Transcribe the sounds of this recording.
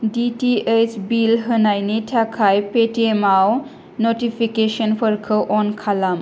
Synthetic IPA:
ditiet͡ʃbilɦɯnajnitʰakʰajpetiemaw | notipʰikesɔnpʰɯɾkʰɯʔɔnkʰalam

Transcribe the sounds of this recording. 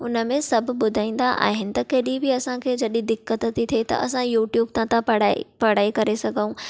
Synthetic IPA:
ʊnə̆mẽsɐbʱʊ̆ɓʊd̪ʱaːĩːn̆d̪aʔa̰ːɦɪnɪ̆t̪ɐkɐɦɪɗĩbɪɐsãkʰeːd͡ʑɐɗĩd̪ɪkːət̪t̪it̪ʰiet̪ɐ̰ɐsãjuːʈjuːbt̪ãt̪ãpɐɽapɐɽaːekɐɾesɐɡʱəũ

